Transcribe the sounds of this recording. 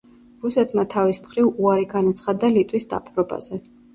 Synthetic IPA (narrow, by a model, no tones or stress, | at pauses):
ɾusɛt̪ʰmat̪ʰavismχɾivuaɾiɡanat̪sʰχad̪alit̪ʼwisd̪a̰pʼɾɔba̰z̥ɛ